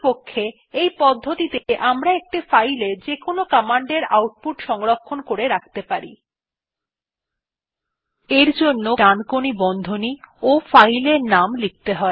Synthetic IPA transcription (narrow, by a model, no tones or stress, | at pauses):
pokʰːe | ejpɔd̪ʱːot̪it̪eʔamɾaek̚ʈifajleɾd͡ʑekonokɔmaɳɖeɾa̰wʈ̚puʈʃɔŋɾokʰːonkoɾeɾak̚ʰt̪epaɾḭ | eɾd͡ʑonːoɖankonibɔnd̪ʱoniofajleɾnamlik̚t̪eɦɔe